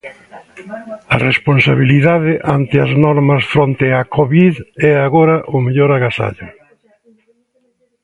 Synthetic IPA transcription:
ɐresponsaβ̞iliðaðɪʔant̪ɪɐznɔɾmɐsfɾont̪eakoβiðɛaɣoɾɐʔʊmeʎoɾaɣasa̰ʎʊ

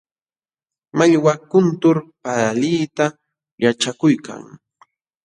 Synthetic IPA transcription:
maʎwakʊnt̪ʊɾpaɾaliːt̪a | jaʈ͡ʂakʊjkʰa̰ŋ

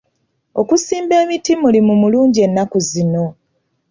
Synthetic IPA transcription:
o̞kusiːmbeːmitimulimumuluːɲɟie̞nːakuzino̞

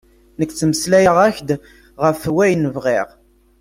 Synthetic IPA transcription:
nəkːt͡sːəməslæjəʁæçd̪ | ʁəfwæjnəvʁiʁ

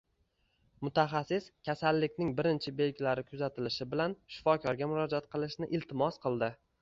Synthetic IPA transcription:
mʊt̪ʰaχɑsːɪskʲʰasalːɪkʲnɪŋbɪɾɪnt͡ʃʰɪbe̞lɡʲɪlaɾɪkʰʊzat̪ʰɪlɪʃɪbɪlanʃɪ̥fɒkʲʰɒɾɡʲamʊɾɒd͡ʒat̪̚qʰɨlˠɪʃnɪʔɪlt̪ʰɪmɒsqʰɨlˠd̪ɪ

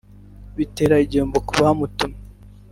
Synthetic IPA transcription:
βite̞ːɾaiɟeːmbokuβahamutume

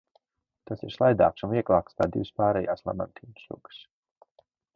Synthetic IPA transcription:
t̪asiɾslˠajd̪a̰ːksunviɛklˠaːkst̪aːd̪iwspaːɾɛjaːslˠa̰ma̰nt̪ʰiːnsṵɡ̥s

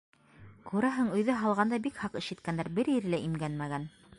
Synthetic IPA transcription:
kʉɾæɦɘɴɵ̆jðɘɦɑlˠʁɑnd̪ɑbikhɑqɘ̆ʃɘ̆t̪̚kænd̪æɾbɘɾjɘ̆ɾɘlæʔimɡænmæɡæn

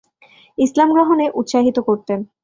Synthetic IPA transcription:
islamɡɾɔɦoneʔut̪ːʃaɦit̪okoɾt̪en

